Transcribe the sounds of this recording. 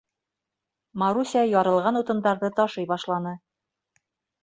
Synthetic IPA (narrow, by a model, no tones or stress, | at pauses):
maɾusʲɑjɒɾɤ̆lˠʁɑnut̪ɤ̆nd̪ɑɾðɤt̪ɒʃɤjbɒʃlˠɑnɤ